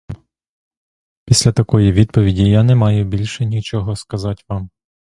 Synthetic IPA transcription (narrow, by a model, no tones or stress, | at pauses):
pʲisʲlʲɐt̪ɐkɔjiʋʲid̪̚pɔʋʲidʲijanɛmɑjʊbʲilʲʃɛnʲit͡ʃɔɦɔskɐzɑtʲʋɑm